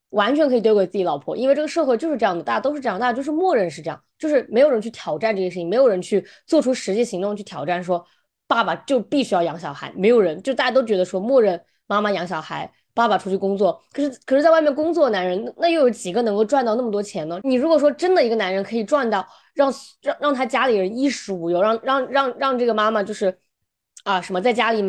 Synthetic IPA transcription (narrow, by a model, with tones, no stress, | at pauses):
wa˧˥nt͡ɕʰɥɛ˧˥nkʰɤ˧˥i˨˩we˥kwe˨˩t͡sɹt͡ɕlɑ˨˩ʊpʰwɔ̰˧˥ʔḭ˥nwʈ͡ʂɤ˥˩ɡə˩ʂɤ˥˧xe˥˧ɪt͡ɕjʂɻ̩˥˧ʈ͡ʂɤ˥jɑ˥˩d̪ə˩t̪a˥˧˩ja˥˩o˥ʊʂɻ̩˥˧˥t̪a˥˧˥jʊʂ̩˥˧mwɔ˥˧ɻə˥˧nʂɻ̩˥˧ʈ͡ʂɤ˥˧jɑ˥˩ŋt͡ɕjo˥˧ʊʂɻ̩˥˩me˧˥ɪo˨˩ʊɻə˧˥nt͡ɕʰy˥˩t̪ʰjɑ˨˩ʊʈ͡ʂa˥˧nʈ͡ʂɤ˥˩˧ʂɻ̩ʰ˥˩˨ŋm˧˥ɪjɻə˧˥nt͡ɕʰy˥˩ | t͡swɔ˥˩ʈ͡ʂʰu˥ʂɻ̩˧˥t͡ɕɛ˥˩ɕi˧˥ŋt̪ʊ˥˧ŋt͡ɕʰy˥˩t̪ʰjɑ˨˩ʊʈ͡ʂa˥˩nʂwɔ˥ | pa˥˩ba˨˩t͡ɕjo˥˧ʊpi˥˩ɕy˥jɑ˥˩ʊjɑ˧˥ŋɕ̬jɑ˨˩xa˧˥ɪme˧˥ɪjo˨˩ʊɻə˧˥nt͡ɕjʂt̪a˥˩ja˥t̪ʊt͡ɕɥɛ˧˥d̪ə˧ʂwɔ˥mwɔ˥˧ɻə˥˩n | ma˥ma˨jɑ˧˥ŋɕ̬jɑ˨˩xa˧˥ɪ | pa˥˩ba˨˩ʈ͡ʂʰu˥t͡ɕʰy˥˩kʊ˥ŋt͡swɔ˥˩kʰɤ˨˩ʂɻ̩˥kʰɤ˨˩ʂɻ̩˥˩t͡sa˥˧wa˥˧ɪmɛ˥˩nkʊ˥ŋt͡swɔ˥˩na˧˥nɻə˧˥n˥˧na˥˧jo˥˩ʊjo˧˩ʊt͡ɕi˨˩ɡə˦nɤ˧˥ŋko˥˧ʊʈ͡ʂwa˥˧nt̪ɑ˥˧n˥˩ə˩t̪wɔ˥t͡ɕʰjɛ˧˥nə˧˨ni˨˩ɻu˧˥kwɔ˨˩ʂwɔ˥ʈ͡ʂə˥nd̪ə˨i˧˥ɡə˧na˧˥nɻə˧˥nkʰɤ˧˥i˨˩ʈ͡ʂwa˥˧nt̪ɑ˥˩ʊ | ɻɑ˥˩ŋɻɑ˥˧ŋɻɑ˥˩ŋt̪ʰa˥t͡ɕja˥li˨˩ɻə˧˥ni˥ʂɻ̩˧˥u˨˩jo˥˧˩ʊɻɑ˥˧ŋɻɑ˥˧ŋɻɑ˥˧ŋɻɑ˥˧ŋʈ͡ʂɤ˥˩ɡə˩ma˥ma˨t͡ɕjo˥˧ʊʂɻ̩˥˩ | ə˧ʂə˧˥mə˧t͡sa˥˩ɪt͡ɕja˥li˨˩